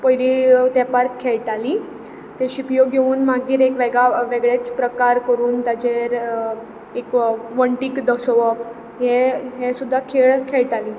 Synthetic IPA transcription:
pəjlit̪epaɾkʰːeɭʈali | t̪eɕipjoɡʱeuːnmaɡiːɾekʋeɡɭaʋeɡɭet͡spɾəkaɾkəɾuːnt̪jat͡ɕeɾ | ekʋəɳʈiːkd̪əsɔʋə | ɦẽɦesud̪ʱːakʰeɭkʰeɭʈali

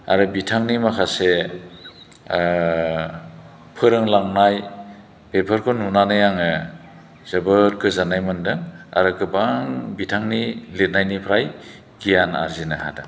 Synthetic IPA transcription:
a̰ɾɯbitʰaŋnimakʰase | pʰɯɾɯŋlaŋnaj | pepʰɯɾkʰɔnunanɯjaŋɯ | z̥ɯbɯɾt̚kʰɯzanajmɯndɯŋa̰ɾɯkɯbaŋbitʰaŋnilet̚najnipʰɾaj | ɡ̥ijana̰ɾzinɯha̰da̰

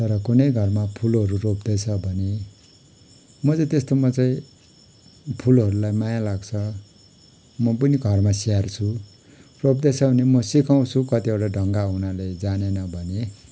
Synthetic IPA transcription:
t̪ʌɾʌkunʌjɡʱʌrmapʰulɦʌɾuropd̪ʌt͡sʰʌbʱʌne | mʌt͡sʌ̃t̪est̪omʌt͡saĩ | pʰulɦʌɾulajmajalaɡt͡sʰʌ | mʌpʌniɡʱʌrmasiart͡sʰu | rop̚d̪ʌt͡sʰʌbʱʌnemʌsikaw̃t͡sʰukʌt̪iʌwʈaɖʱʌŋɡaunaled͡zanenʌbʱʌne

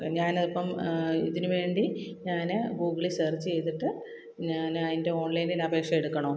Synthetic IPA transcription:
ɲaːnɐðipːɐmḭðinɨʋe̞ːɳɖiɲaːnɨbuːkːiɭisert͡ɕːɨt͡ɕejt̪iʈːɨ | ɲaːnɐðinde̞o̞ːnlɐjndilɐbe̞ːkʂɐjeɽukːɐɳoː

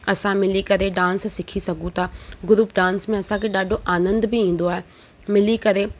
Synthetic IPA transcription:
ɐsãmɪlikɐɾeɖãːnssɪkʰisɐɡʱũt̪ʰaːɡʊɾuːpɖãːnsmẽɐsãkʰeɗaːɖʱoʔaːnə̃nd̪bɪĩːn̆d̪oaːɦe | mɪlikɐɾe

